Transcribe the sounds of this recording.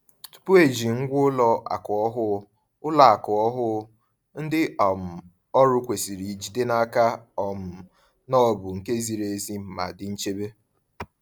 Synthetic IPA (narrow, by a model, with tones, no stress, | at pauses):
tu̥˨pʊ˦e˦˨d͡ʒi˨ŋ̩˦ɡʷʊ˦lɔ˦a̰˨kʊ˨ɔ˦ɦʊ˦ | ʊ˦la˨a˨kʊ˨ɔ˦ɦʊ˦ | n̩˦dɪ˦ɔ˨m̩˨ | ɔ˦ɾʊ˦kʷe˨si˨ɾi˨d͡ʒi˦dɪ˦na˦ka˦ɔ˨m̩˨ | nɔ˦˨bʊ˨ŋ̩˨ke˦zi˨ɾe˨zi˦m̩˨ma̰˨dɪ˨n̩˦t͡ʃe˦be˦